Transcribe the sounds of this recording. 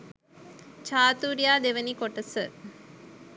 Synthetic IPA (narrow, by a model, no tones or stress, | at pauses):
t͡ʃaːt̪uːɾijaːd̪eʋənikoʈəsə